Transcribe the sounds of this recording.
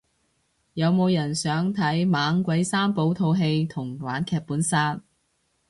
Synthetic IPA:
jɐ˨˧wmo˨˧wjɐ˨˩nsœː˨˥ŋt̪ʰɐ˨˥jmaː˨˥ŋkʷɐ˨˥jsaː˥mpo˨˥wt̪ʰo˧wɦe˧jt̪ʰʊ˨˩ŋwaː˨˥nkʰɛː˧k̚puː˨˥nsaː˥n̚

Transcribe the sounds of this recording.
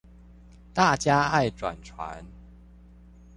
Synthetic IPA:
t̪a˥˨t͡ɕja˦a˥˨jʈ͡ʂwa̰˨˩nt͡sʰwa̰˨˦n

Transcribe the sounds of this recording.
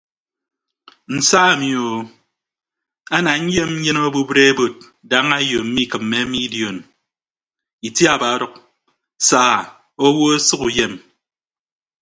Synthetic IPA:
n̩˨sa˦a˨mi˨o˨ | a˦na˨ŋ̩˦je˦mɲ̩˦je˦no˦bu˦bɾe˦e˦bo˨t̚ | da˦ŋa˦jo˨m̩˦mi˦˨kɨ˨mːe˦mi˦di˨o˨n | i˨tja˦˨ba˨˦ɾɔ˦k̚ | saː˦˨ | o˦wo˦e˦sɨ˦ku˨je˨m

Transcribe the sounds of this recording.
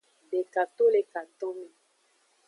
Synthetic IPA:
be˨ka˨to˦le˨ka˨to˦mi˨

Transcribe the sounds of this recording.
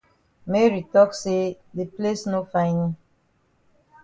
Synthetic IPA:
me˦ɹi˨tɔ˦kse˦ | de˨ple˦sno˦fã˦ɪ̃ni˦

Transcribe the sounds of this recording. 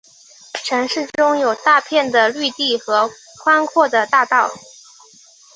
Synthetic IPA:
ʈ͡ʂʰɤ˧˥ŋʂɻ̩˥˩ʈ͡ʂʊ˥ŋjo˨˩ʊt̪a˥˧pʰjɛ˥˩nd̪ə˩ly˥˧t̪i˥˩xɤ˧˥ | kʰwa˥nkʰwɔ˥˩d̪ə˩t̪a˥˧t̪ɑ˥˩ʊ

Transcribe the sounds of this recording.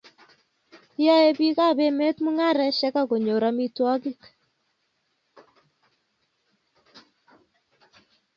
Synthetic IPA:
ja˦e˦bi˦ka˦˨be˦me˦t̪mu˦ŋa˦ɾɛ˦ʃɛ˦ka˦ɡo˨ɲo˨ɾa˦mi˦twɔ˦ɡɪ˦k

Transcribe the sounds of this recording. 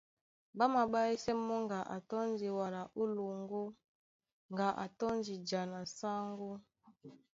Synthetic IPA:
ba˦ma˨ɓa˦i˦sɛ˦mɔ˦ŋɡa˨ʔa̰˨tɔ˦n˦d͡ʒi˨wa˨la˨ʔu˦lu˨ŋ˦ɡo˦ | ŋɡa˨ʔa̰˨tɔ˦n˦d͡ʒi˨d͡ʒa˨na˨sa˦ŋɡo˦

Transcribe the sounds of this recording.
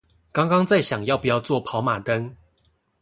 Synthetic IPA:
kɑ˥˦ŋkɑ˥˦ŋt͡sa˥˨ɪɕjɑ˨˩ŋjɑ˥˩ʊpu˨˩jɑ˥˧ʊt͡swɔ˥˨pʰɑ˨˦ʊma˨˩t̪ə˦ŋ

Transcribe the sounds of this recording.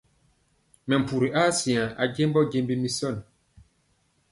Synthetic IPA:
mɛ˨m˨pu˨ɾi˨ʔaː˦si˨ã˨ʔa̰˨ɟe˦mbɔ˦ɡe˦mbi˦mi˦sɔ˦˨n

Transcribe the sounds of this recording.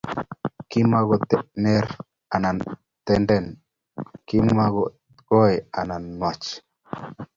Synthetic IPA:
ki˦ma˦ɡɔ˨tɛnɛ˦ɾ | a˨na˨ | t̪ɛ˦ndɛ˦n | ki˦ma˦ɡɔ | ɡɔ˦ɛ˨a˨na˨nwa˨t͡ʃ

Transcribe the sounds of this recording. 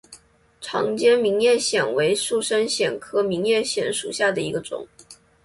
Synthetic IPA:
ʈ͡ʂʰɑ̰˧˥ŋt͡ɕjɛ˥nmi˧˥ŋjɛ˥˩ɕjɛ˨˩nwe˧˥ɪʂu˥˩ʂə˥nɕjɛ˨˩nkʰɤ˥mi˧˥ŋjɛ˥˩ɕjɛ˨˩˥nʂṵ˨˩ɕja˥˩d̪ə˩i˧˥ɡə˧ʈ͡ʂʊ̰˨˩˦ŋ

